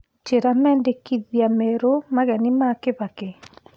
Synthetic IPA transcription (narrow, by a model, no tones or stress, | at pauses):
t͡ʃeɾamɛːndekiðjamɛɾomaɣɛnimakeβake